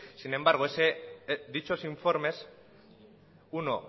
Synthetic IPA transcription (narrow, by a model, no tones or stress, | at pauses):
sine̞mbaɾɣ̞oesed̪it͡ʃo̞siɱfo̞ɾme̞s | uno